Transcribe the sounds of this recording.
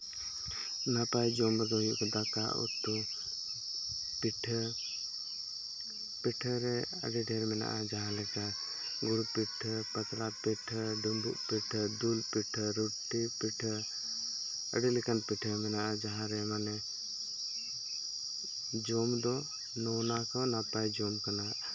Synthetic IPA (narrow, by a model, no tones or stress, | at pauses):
napajd͡ʒɔmɾd̪ɔjṵkd̪aka̰ṵt̪ːɔ | piʈʰ | piʈʰɾɛ | ə̰ɖiɖʱɛɾmɛna̰ʔad͡ʒaɦãlɛka | ɡuɽupiʈʰpət̪lat̪̚piʈʰɖumbṵʔpiʈʰəd̪ulpiʈʰɾuʈːipiʈʰə | ə̰ɖilikanpiʈʰəmɛnaʔad͡ʒaɦãɾɛmanɛ | d͡ʒɔmd̪ɔ | nɔnakanapajd͡ʒɔmkana